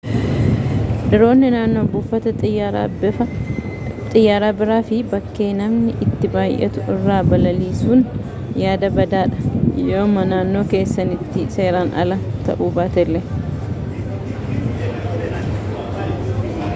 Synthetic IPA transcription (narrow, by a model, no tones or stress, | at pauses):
ᶑɪɾo̞ːnːɪnaːnːo̞ːbʊfːɐt̪ɐ | ɐ | t̪ʼɪjːaːɾaːbɪɾaːfɪbɐkːe̞ːnɐmnɪʔɪt̪ːɪbaːjʔɛ̰t̪ʊɪrːaːbɐlɐliːsuːn | jaːd̪ɐbɐd̪aːᶑɐ̥joːmɐnaːnːo̞ːke̞ːsːɐnɪt̪ːɪse̞ːɾaːnɐ̰lɐt̪ɐ̰ʔuːbaːt̪ɛlːɛ